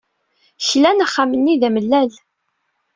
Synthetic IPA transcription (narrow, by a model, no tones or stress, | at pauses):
çlænaχːamənːiðæməlːæl